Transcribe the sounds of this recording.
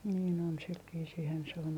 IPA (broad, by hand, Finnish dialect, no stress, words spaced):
niːn on sil ʋiːsiːhæn se on